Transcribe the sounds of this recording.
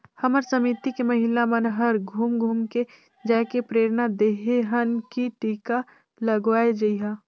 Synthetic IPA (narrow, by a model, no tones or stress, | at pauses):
hɐməɾsəmiːt̪ikemɐɦɪlamənɦɐɾɡʱuːmɡʱuːmke | d͡ʒaːkepɾeːɾnad̪eːɦeɦənkiʈiːka | ləɡʋaːed͡ʒɐiɦaː